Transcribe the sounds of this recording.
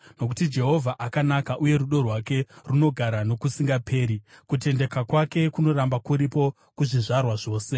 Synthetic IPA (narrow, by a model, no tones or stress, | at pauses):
no̞ku̥tid͡ʒe̞ɦo̞vʱaʔakanakaʔuje̞ɾuɗo̞rwake̞runo̞ɡʱaɾano̞kusiŋɡapʰe̞ːɾikute̞nde̞kakwake̞kuno̞ɾambakuɾipo̞ | kuʐiʐarwaʐo̞ːse̞